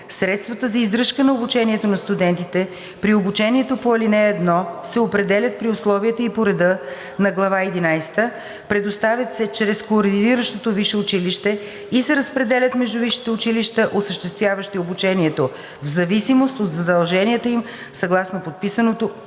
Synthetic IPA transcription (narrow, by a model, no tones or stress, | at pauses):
sɾɛt̪st̪vət̪əzɐizd̪ɾɤʃkənɐobut͡ʃɛniɛt̪onɐst̪ud̪ɛnt̪it̪ɛ | pɾiobut͡ʃɛniɛt̪opoɐlinɛːd̪nɔsɛopɾɛd̪ɛlʲət̪̚pɾiʊslˠɔviɛt̪əipoɾɛd̪ə | nɐɡlˠɐvaɛd̪inajsɛ̥t̪ə | pɾɛd̪ost̪avjət̪sɛt͡ʃɾɛskoːɾd̪iniɾəʃt̪ot̪oviʃɛʊt͡ʃiliʃt̪ɛ | isɛɾəspɾɛd̪ɛlʲət̪mɛʒd̪ʊviʃi̥t̪ɛʊt͡ʃiliʃt̪əʔosəʃt̪ɛst̪vʲjavəʃt̪iobut͡ʃɛniɛt̪o | vzɐvisimost̪od̪zɐd̪ɐlˠʒɛniɛt̪əim | sɐɡlˠasnopot̪̚pisənot̪o